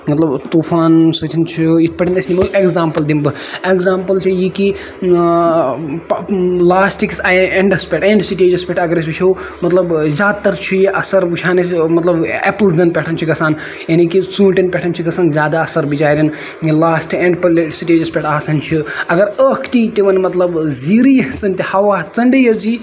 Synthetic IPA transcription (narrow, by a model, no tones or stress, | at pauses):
mɐt̪lɐbt̪uːfʰaːnsɨt̪ʰint͡ʃʰiit̪̚ʰpɐʈʰinɐsʲnʲimɐʔekzaːmpɐld̪imbɨ | ekzaːmpɐlt͡ʃʰijiki | laːsʈiksaeɳɖɐspʲeʈẽːɳɖsiʈeːd͡ʒɐspʲeʈɐɡɐɾes̬ʲbit͡ʃʰiwmɐt̪lɐbzʲaːd̪̚t̪ːɐɾt͡ʃʰijiʔɐsɐɾbut͡ʃʰaːnɐmɐt̪lɐbeplzɐnpʲeʈʰɐnt͡ʃʰiɡɐsʰaːn | jɐnikit͡sũːʈɐnpʲeʈʰɐnt͡ʃʰiɡɐsaːnzʲaːd̪aɐsɐɾbid͡ʒaːɾʲin | laːsʈʰikeɳɖplʈsiʈeːd͡ʒɐspʲeʈʰaːsɐnt͡ʃʰiɐɡɐɾəːkʰt̪it̪iʋɐnmɐt̪lɐbziɾijɐt͡sɐnt̪ihɐʋaːt͡sɐɳɖijɐzi